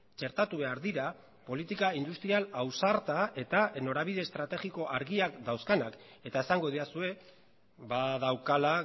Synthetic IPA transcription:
t͡ʃe̞ɾt̪at̪uβe̞aɾðiɾa | po̞lit̪ikaind̪ust̪ɾialawsaɾt̪ae̞t̪ano̞ɾaβiðe̞st̪ɾat̪e̞ɣiko̞ʔaɾɣiakd̪awskanak | e̞t̪ae̞saŋɡo̞ðiasue̞ | βaðawkala

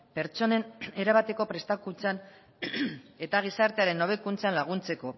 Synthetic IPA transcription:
pe̞ɾt͡ʃo̞ne̞ne̞ɾaβat̪e̞ko̞pɾe̞st̪akunt͡san | e̞t̪aɣ̞isaɾt̪eaɾe̞no̞β̞e̞kunt͡sanlaɣ̞unt͡se̞ko̞

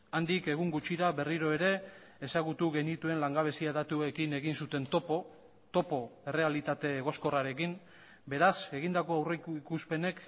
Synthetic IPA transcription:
and̪ike̞ɣ̞uŋɡut͡ʃiɾaβe̞riɾo̞e̞ɾe̞ | esaɣut̪uɣe̞nit̪ue̞nlaŋɡaβe̞siaðat̪ue̞kine̞ɣinsut̪e̞nt̪opo | t̪o̞po̞e̞re̞alit̪at̪e̞ɣo̞sko̞raɾe̞kim | be̞ɾase̞ɣind̪ako̞awrekuspe̞ne̞k

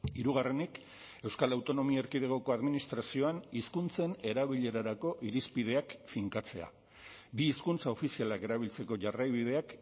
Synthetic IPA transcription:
iɾuɣare̞nik | e̞wskalawt̪o̞no̞miaeɾkiðeɣo̞ko̞aðminist̪ɾasio̞aniskunt͡se̞ne̞ɾaβiʎe̞ɾaɾako̞ʔiɾispið̞e̞akfiŋkat͡se̞a̰ | biːskunt͡sao̞fisialake̞ɾaβ̞ilt͡se̞ko̞ʝarajβið̞e̞ak

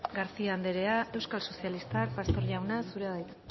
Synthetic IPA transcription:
ɡaɾsiaːnd̪e̞ɾe̞ae̞wskalso̞sialist̪ak̚past̪o̞ɾʝawnasuɾeaðajt̪

